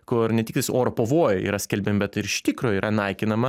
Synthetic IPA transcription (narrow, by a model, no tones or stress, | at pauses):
kʊɾnʲɛt̪ʲɪk̚t̪ɐɪsoːɾopoːʋoːjɛḭːɾɐsʲkʲɛlʲbʲɛmbʲɛt̪ɪɾɪʃʲt̪ʲiːkɾoːjiːɾʔɐnɐɪkʲɪnɐmɐ